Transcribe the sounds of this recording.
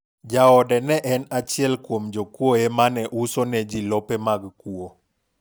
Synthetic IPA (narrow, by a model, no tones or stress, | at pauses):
d͡ʒaɔdɛnɛʔɛnat͡ʃɪɛlkwomd͡ʒokwoemanɛʔusonɛd͡ʒilɔpemaɡkuo